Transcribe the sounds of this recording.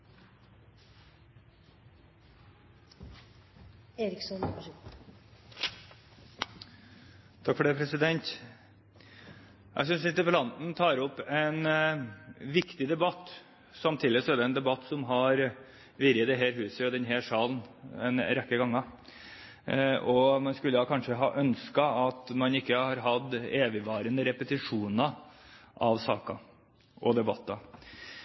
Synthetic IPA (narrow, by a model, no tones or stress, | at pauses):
eːɾɪksɔn | t̪ʰɑkfɔɖeːpʰɾɛsɪd̪ɛnt̪ | jʔæ̰sʏnsɪnt̪əpəlɑnnt̪ʰɑːɾɔpɛn | ʋɪkt̪ɪd̪ɛbɑt̪ː | sɑmt̪ʰiːd̪ɪsɔæɖ̪ɛɛnd̪ɛbɑt̪ːsɔmɦɑɾ | ʋɪːɾjəd̪ɛɦɛːɾɦʉːsəjʊd̪ɛnɦɛːʂɑːlnɛnɾɛkːəɡɑŋːɑ | ʔɔmɑnskʉlːəɑkʰɑnʂəɦɑ̰ːʔœnskɑɑt̪mɑnɪkːəhɑɾɦɑd̪eːʋɪʋɑːɾənəɾɛpət̪ɪʂuːnɑʔɑʋsɑ̰ːkɑ̰ | ʔɔd̪ɛbɑt̪ːɑ